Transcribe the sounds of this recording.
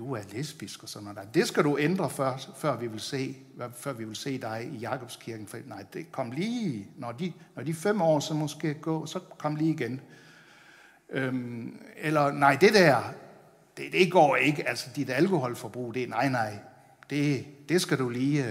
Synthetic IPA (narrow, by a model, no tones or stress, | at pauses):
d̥uæɐlesb̥isɡ̥ɒsɒ̽nːɑɪd̥e̝sɡ̥æɾuʔend̥ʁɐfɶɐ̰̥fɶɐ̰ʋiʋe̝lse̝̰ː | fɶɐ̰ʋiʋe̝lse̝̰ːd̥ɑ̈ɪijɑ̈kʰɒ̽b̥skʰiɐɡ̥n̩fɒd̥ḭnɑ̈ɪ̰d̥ekʰɒ̽m̰liːnɒd̥inɒd̥ifem̰ɒ̰ːsɒ̽mɒ̽sɡ̥e̝̰ːɡ̥ɔ̰̽ːsɒ̽kʰɒ̽m̰liːiɡ̥en | ø | elɐnɑ̈ɪ̰d̥e̝d̥æɐ̰ | d̥ed̥e̝ɡ̥ɒ̰ːe̝ɡ̥əʔælsɐd̥id̥ælkʰo̝hɒ̽l̰fɒb̥ʁṵːd̥e̝nɑ̈ɪ̰nɑ̈ɪ̰ | d̥e̝d̥e̝sɡ̥æɾ̥uliː